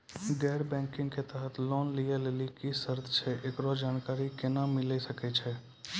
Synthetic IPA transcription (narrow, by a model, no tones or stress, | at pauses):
ɡɛːɾbɛ̃ːŋkɪ̃ŋɡket̪əɦət̪ʰlɔːnlijeleːlikisəɾt̪ʰt͡ʃʰɛʔekɾɔd͡ʒaːnkaːɾikɪnamɪlesəkɛt͡ʃʰɛ